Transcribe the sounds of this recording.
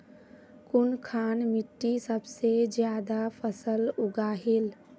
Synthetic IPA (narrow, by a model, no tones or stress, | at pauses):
kʊnkʰaːnmɪʈːisəbsed͡ʒjaːd̪apʰəsəlʊɡaːɦɪl